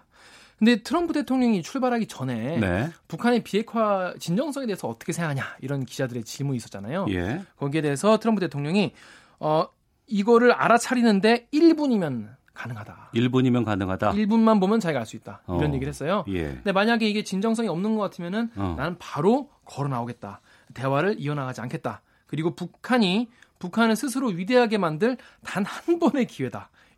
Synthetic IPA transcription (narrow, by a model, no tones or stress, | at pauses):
kɯnde̞tʰɯɾʌmpʰude̞tʰoŋɲʌŋit͡ɕʰuɭbaɾɦaɡit͡ɕʌne̞nepukʰanepie̞kʰwat͡ɕind͡ʑʌŋs͈ʰʌŋeeesʰʌːt͈ʌkʰe̞sʰeŋɡaŋɦaɲaiɾʌnkid͡ʑadɯɾe̞t͡ɕiɭmuis͈ʌtt͡ɕ͈anajojḛkʌɡie̞de̞esʰʌtʰɯɾʌmpʰuɯde̞tʰoŋɲʌŋi | ʌ | iɡʌɾɯɾa̰ɾat͡ɕʰaɾinɯnde̞iɭbuɲimjʌn | kanɯŋɦadaiɭbuɲimjʌnkanɯŋɦadaiɭbunmanbomjʌnt͡ɕaiɡaɭs͈uit̚t͈aiɾʌnje̞ɡiɾɯɦe̞s͈ʌjojḛde̞maɲaɡe̞iɡe̞t͡ɕind͡ʑʌŋs̬͈ʌŋiʌmnɯnɡʌk͈atʰɯmjʌnɯnnanɯnpaɾo | kʌɾʌnaoɡe̞t̚t͈a̰ | te̞waɾɯɾiʌnɦaɡad͡ʑiankʰe̞t̚t͈a | kɯɾiɡopukʰaɲipukʰanɯɭsʰɯs̬ʰɯɾoɥide̞ɦaɡe̞mandɯɭtanhanbʌne̞kiwe̞da